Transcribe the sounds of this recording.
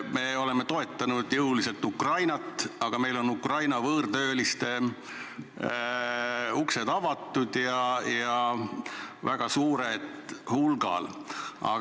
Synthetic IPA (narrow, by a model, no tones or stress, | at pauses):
me̞o̞le̞me̞t̪o̞e̞t̪ːˑɑnud̪̥jɤwlise̞lt̪ːˑukrɑjnɑt̪ːˑɑɡ̥ɑme̞jlo̞nukrɑjnɑvɤːrd̪ø̞ːlist̪e̞ | ukse̞d̪̥ɑvɑt̪ːˑud̪jɑjɑ | væɡ̥ɑsuːɾed̪̥hulɡ̥ɑ̰lɑ̰